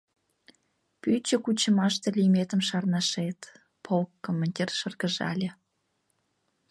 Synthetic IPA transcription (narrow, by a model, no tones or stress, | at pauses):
pyt͡ɕə̆kut͡ɕə̆mɑʃt̪elimet̪əmʃɑrnɑʃet̪ | pʰolkːomːonʲt̪ʲirʃərɣəʒɑ̰lʲe